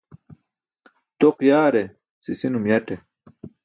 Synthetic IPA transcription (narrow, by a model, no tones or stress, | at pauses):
t̪oqjaːɾe | sisinumjɐʈe